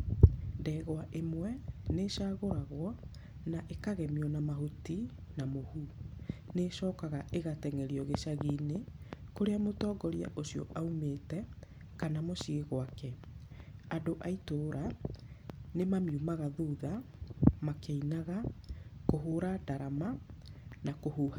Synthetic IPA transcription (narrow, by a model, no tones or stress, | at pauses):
ndɛɣwaʔemwɛneʃaːɣoɾaɣwɔ | naʔekaɣɛmiɔnamahuti | namohuneʃɔːkaɣaʔeɣatɛŋɛɾiɔɣeʃaɣinekoɾeamotɔːɡɔɾja̰ʔosiɔ̰ʔaumetɛ | kanamoʃiɣeɣwakɛ | adoʔaitoːɾʔa | nemamiumaɣaðuːðamakeinaɣakoɦuɾadaɾama | nakohuha